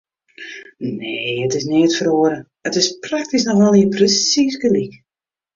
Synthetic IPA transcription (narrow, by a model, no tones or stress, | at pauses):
neːətɪsnɪətfəɾoəɾə | ətɪsprak̚tisnɔxʋɔlˠiəprəsisɡəlik